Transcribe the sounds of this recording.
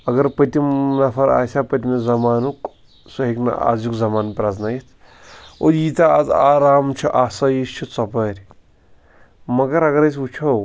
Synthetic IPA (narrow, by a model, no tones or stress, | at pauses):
ɐɡɐɾpɐt̪ʲimnɐfʰɐɾa̰ːsʲaːpɐt̪imezɐmaːnuk | sɐɦiknɐ̰a̰ːzjukzɐmaːnpɾaznajit̪ʰ | o̰jiːt̪aaza̰ːɾaːmt͡ʃʰuʔaːsɐjist͡ʃʰut͡sɐpɐɾʲ | mɐɡɐɾɐɡɐɾɐs̬ʲut͡ʃʰɐ